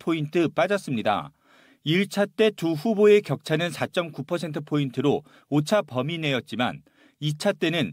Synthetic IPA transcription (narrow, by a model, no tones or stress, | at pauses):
pʰointʰɯp͈ad͡ʑʌs͈ɯmɲida̰ | iɭt͡ɕʰat͈e̞tuɸuboe̞kjʌk̚t͡ɕʰanɯnsʰat͡ɕ͈ʌmkupʰʌsʰe̞ntʰɯpʰointʰɯɾo | ot͡ɕʰapʌmine̞jʌt̚t͡ɕ͈ima̰n | it͡ɕʰat͈e̞nɯn